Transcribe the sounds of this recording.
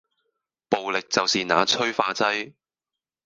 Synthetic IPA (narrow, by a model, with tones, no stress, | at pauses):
po˨wlɪ˨k̚t͡sɐ˨wsiː˨na̰ː˨˧t͡sʰɵ˥ɥfaː˧t͡sɐ˥j